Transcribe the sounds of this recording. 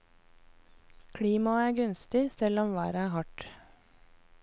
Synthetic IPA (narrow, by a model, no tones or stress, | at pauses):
kʰɽiːmɑæːɡʉnst̪ɪsɛlɔmʋæːɾəæːhɑʈ